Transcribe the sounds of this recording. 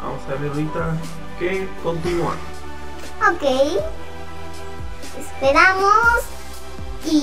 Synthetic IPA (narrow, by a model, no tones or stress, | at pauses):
a̰salerit̪a | ke | kont̪inua̰ | okej | espeɾamos | i